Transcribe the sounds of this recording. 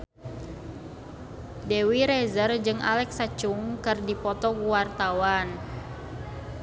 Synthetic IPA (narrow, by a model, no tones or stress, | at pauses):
dewiɾɛzərd͡ʒɨŋʔa̰lɛksat͡ʃuŋkɨrdipɔt̪ɔkuwart̪awan